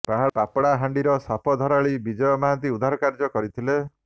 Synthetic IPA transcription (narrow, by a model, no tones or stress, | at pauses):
paɦapapɽaɦaɳɖiɾɔsapʰɔd̪ʱɔɾaɭibid͡ʒɔjɔmaɦant̪iud̪ʱaɾɔkaɾd͡ʒɔkɔɾit̪ʰile